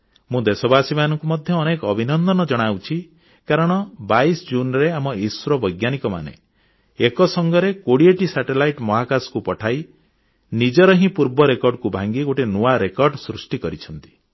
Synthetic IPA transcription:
mũd̪esɔbasimanɔŋkumɔd̪ʱjɔːnekɔɔbʱinɔnd̪ɔnɔd͡ʒɔɽ̃awt͡ʃʰi | kaɾɔɽ̃ɔbaisd͡ʒunɾeamɔiswɾɔbɔjɡjanikɔma̰nḛ | ekɔsɔŋɡɔɾekoɽieʈisaʈelajʈmɔɦakasɔ̥kupɔʈʰaj | nid͡ʒɔɾɔɦĩpuɾbɔɾekɔɾɖkubʱaŋɡiɡoʈinuaɾekɔɾɖsɾusʈikɔɾit͡ʃʰɔnt̪i̥

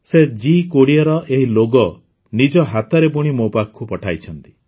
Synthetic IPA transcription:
sed͡ʒikoɽiɔɾɔʔeɦiloɡɔ | nid͡ʒɔɦat̪ɔɾepuɽ̃imopakʰːupɔʈʰajt͡ʃʰɔnt̪i̥

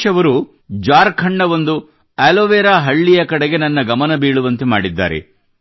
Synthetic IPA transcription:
ɐʋɐɾu | d͡ʒaːɾkʰɐɳːɐʋond̪u | ɛloʋeːɾaːɦɐɭːijɐkɐɽeɡe̞nɐnːɐɡɐmɐnɐbiːɭuʋɐnt̪ema̰ːɽid̪ːa̰ːɾḛ

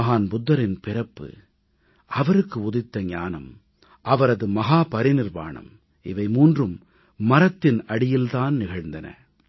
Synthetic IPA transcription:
ɐɦaːnbʊd̪ːɐɾɪnpɪɾɐpːɯ̰ | ʔɐʋɐɾɯkːɯʊðɪt̪ːɐɲaːnɐ̰m | ʔɐʋɐɾɐðɯmɐɦaːpɐɾɪnɪrʋa̰ːɳɐ̰m | ɪ̰ʋɐɪmuːndrɯmː | ɐɾɐt̪ːɪnɐɽɪjɪlt̪aːnnɪɣɐɻnd̪ɐnɐ̰

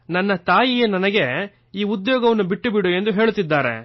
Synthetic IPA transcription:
nɐnːɐt̪aːjijenɐnɐɡe̞ | iːud̪joːɡɐʋɐnːubiʈːubiɽue̞nd̪uɦe̞ːɭut̪ːid̪ːaːɾḛ

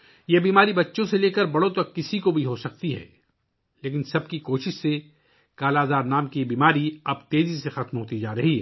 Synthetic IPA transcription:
jebiːmaːɾibɐtːʃõseleːkɐɾbɐɽõt̪ɐkːɪsikobʱiɦosɐk̚t̪iɦɛ̰ː | leːkɪnsɐb̚kikoːʃɪʃse | kaːlaːzaːɾnaːmkibiːmaːɾiɐbt̪eːzisexɐt̪mɦoːt̪id͡ʒaːɾɐɦiɦɛ̰ː

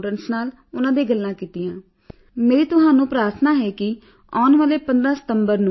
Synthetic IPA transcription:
ʈənsnaːl | ʊnãːd̪eːɡəlːãːkiːt̪ɪjãː | meːɾiːt̪ʊɦãːnũːpɾaːɾt̪ʰnaːɦɛːkɪ | ɔːnʋaːleːpənd̪ɾaːsə̥t̪əmbəɾnũ

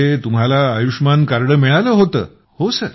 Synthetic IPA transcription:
et̪umɦalaːjuʂmankaɾɽəːmiɭaləːɦot̪ə̰ː | hosəɾ

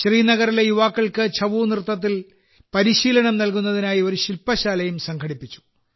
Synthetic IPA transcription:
ɕriːnɐɣɐrilejuʋaːkːɐɭkɨt͡ɕʰɐʋuːnirt̪ːɐt̪̬ːil | pɐɾiɕiːlɐɳɐmnɐlkunːɐðinaːjio̞ɾuɕilpɐɕaːlɐjumsɐŋkʰɐɽipːit͡ɕːu̥

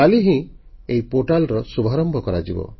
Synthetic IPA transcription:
aliɦĩ | ejpoʈalɔɾɔsubʱaɾɔmbʱɔkɔɾad͡ʒibɔ̰

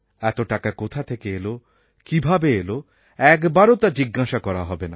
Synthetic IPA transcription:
ɛt̪oʈakakot̪ʰat̪ʰekeelo | kibʱabeelo | ɛkbaɾot̪ad͡ʑiɡːaʃakɔɾaɦɔbena

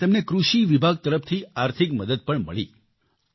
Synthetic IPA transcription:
emnekɾuʃiʋibʱaɡ̚t̪əɾəft̪ʰiaɾt̪ʰɪkməd̪əd̪̚pəɳmə̰ɭḭ

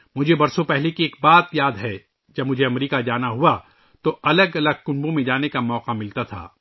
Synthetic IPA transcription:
mʊd͡ʒʱebɐɾsõpɛɦlekieːk̚baːt̪jaːd̪ɦɛ | d͡ʒɐbmʊd͡ʒʱeɐmɾiːkad͡ʒaːnaɦua | t̪oʔɐləɡɐləɡ̚kʊ̃nbõmẽd͡ʒaːnekamɔːqamɪlt̪at̪ʰa̰ː

